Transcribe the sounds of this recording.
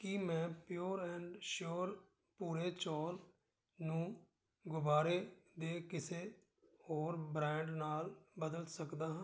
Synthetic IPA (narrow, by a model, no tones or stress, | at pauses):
kɪmɛ̃ːpjuːɾɛ̃ːɳɖʃoːɾ | puːɾeːt͡ʃɔːl | nũː | ɡʊbaːɾeːd̪eːkɪseː | hoːɾbɾɛ̃ːɳɖnaːlbəd̪əlsəkd̪aːɦãː